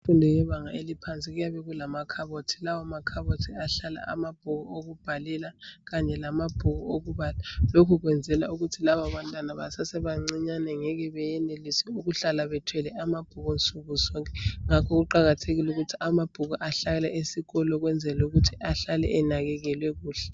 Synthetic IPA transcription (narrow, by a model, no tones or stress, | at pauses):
fundʱɛjɛβaŋaelipʰant͡sʼiɣujaβɛɣulamakʰaβotʰi̥lawamakʰaβotʰiaɬala̰a̰mab̥̚ʱuɣɔoɣub̥ʱalilaɣaɲɛlamab̥ʱuɣɔoɣuβalalokʰuɣwɛnd͡zʱɛlauɣutʰilaβaβantʼwanaβa̰sasɛβaŋ͡ǀiɲanɛŋɛɣɛβɛjɛnelisɛuɣuɬalaβɛtʰwɛlɛamab̥ʱuɣɔnt͡sʼuɣusɔŋkʼɛ̥ŋakʰɔɣuǃaɣatʰeɣiluɣutʰiamab̥ʱuɣɔʔaɬalɛʔesiɣɔlɔɣwɛnd͡zʱɛluɣutʰiʔaɬalɛ̰ʔɛnaɣɛɣɛlwɛɣuːɬɛ